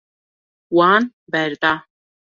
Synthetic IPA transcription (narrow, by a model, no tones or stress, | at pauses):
waːn | bɛɾd̪a